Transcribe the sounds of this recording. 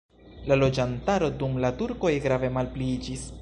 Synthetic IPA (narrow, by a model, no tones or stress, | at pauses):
lalo̞d͡ʒantaɾo̞dumlatuɾko̞jɡɾave̞malplid͡ʒis